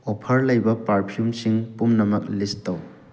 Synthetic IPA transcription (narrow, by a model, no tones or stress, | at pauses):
opʰɐɾlɐjbɐpaɾpʰiumsiŋpumnɐmɐk̚listːɐw